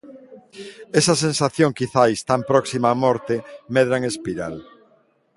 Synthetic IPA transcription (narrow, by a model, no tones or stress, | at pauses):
esɐsẽnsaθjõŋkiθajst̪ampɾɔksimaːmɔɾt̪emɛðɾaŋespiɾal